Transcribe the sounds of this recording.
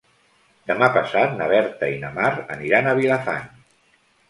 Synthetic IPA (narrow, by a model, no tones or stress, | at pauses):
d̪əmapəsat̪nəβɛɾt̪əinəmarə̰niɾanəβ̞ilafa̰n